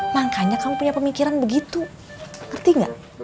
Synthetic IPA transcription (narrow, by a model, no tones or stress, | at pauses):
maŋkaɲakamupuɲapəmikiɾanbəɡit̪u | ŋərt̪iŋɡa̰ʔ